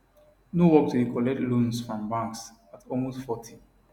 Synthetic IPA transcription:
nowɔk̚tʰudikʰɔlɛtlũnsfɹɔ̃mbãŋks | atʰɔlmostfɔtʰĩ

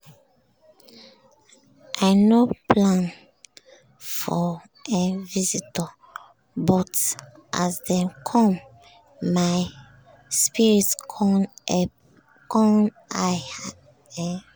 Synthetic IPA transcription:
ʔaɪnoplãn | fɔ | ʔɛ̃nvizitɔ | bɔt | ʔa̰sdɛ̃kʰɔ̃mː | aj | spiɹit | kɔn | aj | ɛ

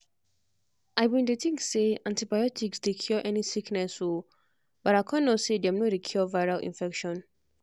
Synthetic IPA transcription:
ʔaɪwĩndetĩŋkseãntibajɔtʰiksdekʰjɔʔɛnisiknɛso | b̥aɾaɪkʰãnːosedɛ̃mnɔɹikʰjɔvaɪɹalʔḭ̃nfɛkʃɔ̃n

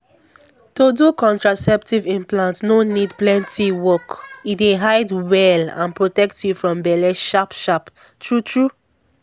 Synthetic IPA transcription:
todukɔ̃ntɹasɛp̚tivĩmplãntnonidplɛ̃ntiwɔkideɦaɪdwɛlã̰npɹotɛktʰjufɹɔ̃mbɛlɛʃapʃap | tʰɹutɹu

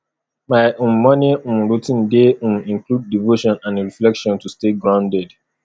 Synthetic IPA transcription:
maɪʔõnːɔniũmɹotĩndeũmĩŋklud̚ːivoʃɔ̃nãnɹiflɛkʃɔ̃ntusteɡɹãʊ̃ndɛd

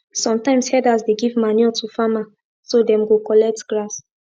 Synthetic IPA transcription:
sɔ̃mtãɪ̃mshɛdasdeɡivmaniɔtufama | sodɛ̃mɡokɔlɛk̚tɡɹas

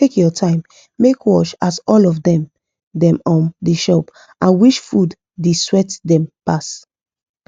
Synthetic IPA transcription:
tekjɔtʰãɪ̃mː | ekʰwɔʃasɔlɔfdɛ̃m | dɛ̃mɔ̃ndeʃɔp | ʔãnwiʃfud | deswɛtdɛ̃mpas

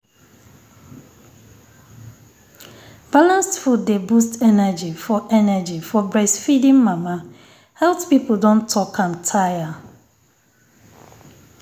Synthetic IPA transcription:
b̥alãnstfuddebustʰɛnəd͡ʒifɔʔɛnad͡ʒifɔbɹɛsfidĩŋmama | hɛltpipl̩ˠdɔ̃ntʰːɔkʰãntʰaja

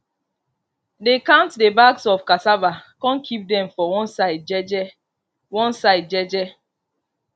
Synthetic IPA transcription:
dekãʊ̃ntdebaksɔfkasabakɔ̃nkʰip̚dɛ̃mfɔwɔ̃nsaɪdd͡ʒɛd͡ʒɛ | wɔ̃nsaɪd̚d͡ʒɛd͡ʒɛ

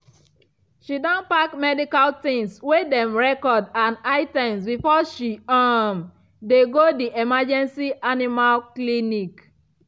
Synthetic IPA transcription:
ʃidɔ̃npakmɛdikaltĩŋswedɛ̃mɹɛkɔdãnaɪtɛ̃msbifɔʃiam | deɡodiʔemad͡ʒɛ̃nsiʔanimalklinik

